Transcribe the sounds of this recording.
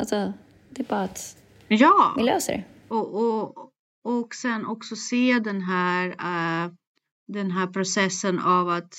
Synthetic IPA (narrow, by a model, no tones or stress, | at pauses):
alsɔ | d̪ɛbɑːat̪ | jɑːɪløːsə̰ɾɔʔɔ | ɔksɛnːɔksɔseːd̪ɛnɦæːɾ | d̪ɛnɦæːɾpʰɾʊsɛsːənavat̪